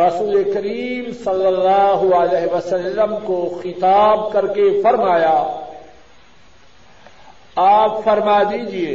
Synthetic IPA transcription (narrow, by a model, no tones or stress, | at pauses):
ɾɐsuːlekɐɾiːmsɐlːəlːaːɦalɛːɦʋɐsɐlːəmkoxɪt̪aːb̚kɐɾkefɐɾmaːjaː | aːpfɐɾmaːd̪iːd͡ʒieː